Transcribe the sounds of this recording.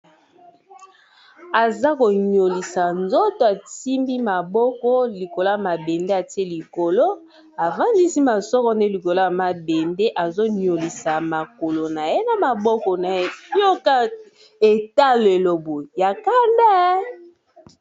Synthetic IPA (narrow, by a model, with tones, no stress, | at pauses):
a˨za˦ko˨ɲo˨li˨sa˨nzo˦to˨a˨ti˦mbi˦ma˨bɔ˦kɔ˦li˨ko˨lo˦a˨ma˨be˨nde˦a˨ti˦e˦li˨ko˨lo˦ | a˨va˦ndi˦si˦ma˨sɔ˦kɔ˦nde˦li˨ko˨lo˦ja˨ma˨be˨nde˦ʔa˨zo˦ɲo˨li˨sa˨ma˨ko˨lo˨na˨je˦na˨ma˨bɔ˦kɔ˨na˨˦jo˦ka˦ | e˨ta˦le˨lo˨bo˨ja˨ka˦nda˦